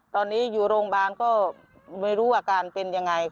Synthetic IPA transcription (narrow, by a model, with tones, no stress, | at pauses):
t̪ɔː˧nːiː˦˥juː˨˩ɾoː˧ŋɓaː˧nkɔː˥˩ | ma˥˩jɾuː˦˥waː˧˩kaː˧npe˧nja˧ŋːa˧j